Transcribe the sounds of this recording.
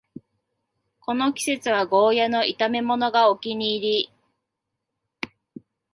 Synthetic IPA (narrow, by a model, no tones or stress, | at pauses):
ko̞no̞kʲi̥se̞t͡sɨβaɡo̞ːjano̞it̪ame̞mo̞no̞ɡaokʲiɲ̟iːɾʲi